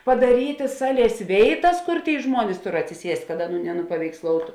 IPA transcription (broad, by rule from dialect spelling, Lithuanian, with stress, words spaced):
pɐdɐˈrʲiːtʲɪ ˈsɑːˌlʲiɛs ˈʋʲeːɪˌtɐs ˈkʊr ˈtʲeːɪ ˈʒmuɔnʲɪs ˈtʊr ɐtʲsʲɪˈsʲiɛsʲtʲ kɐt ˈɑːˌnuː nʲɛnʊpɐʋʲɛɪksˈlˠoːʊtʊ